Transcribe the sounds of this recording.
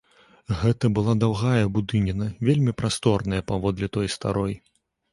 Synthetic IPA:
ɣɛt̪ɐbɨlˠad̪awɣajɐbud̪ɨnʲinɐvʲelʲmʲipɾast̪ɔrnɐjɐpavɔd̪lʲit̪ɔjst̪a̰ɾɔj

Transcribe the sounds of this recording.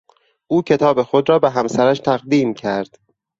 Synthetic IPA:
ʔuːcʰe̞t̪ʰɒːbe̞xo̞d̪ɾɒːbeɦæmsæɾæʃt̪ʰæɣd̪iːmcʰæɾd̪̥

